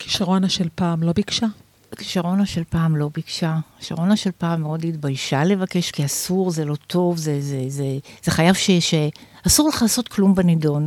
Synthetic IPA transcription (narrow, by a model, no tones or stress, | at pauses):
ki̥ʃaʁo̞naʃelpaːmlo̞bikʃa | ki̥ʃaʁo̞naʃe̞lpaːmlo̞bikʃaki̥ʃaʁo̞naʃelpaːmeodhitbajʃale̞vake̞ʃkiasuʁzelo̞t̪ʰo̞vzezezez̥eχajavʃeʃe | asuʁleχlaso̞t̪klumbenidon